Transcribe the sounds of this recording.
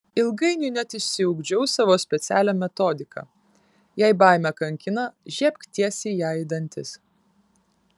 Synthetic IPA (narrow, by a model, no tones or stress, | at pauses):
ɪlˠɡɐɪnʲʊnʲɛt̪ɪʃʲsʲɪʊɡd͡ʒʲɛʊsɑːʋoːsʲpʲɛt̪sʲæːlʲæmʲɛt̪ɔːd̪ʲɪkɐ̰ | jæˑɪbɑˑɪmʲɛkɐŋʲkʲɪnɐʒʲiɛpʲkt̪ʲiɛsʲɪjæːɪd̪ɐnʲt̪ʲɪs